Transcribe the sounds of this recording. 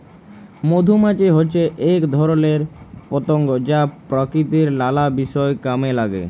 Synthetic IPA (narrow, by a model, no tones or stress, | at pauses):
mod̪ʱumat͡ɕeɦotːɕʰeʔekd̪ʱɔɾoleɾpot̪oŋɡod͡ʑapɾokɾit̪iɾlalabiʃɔekamelaɡḛ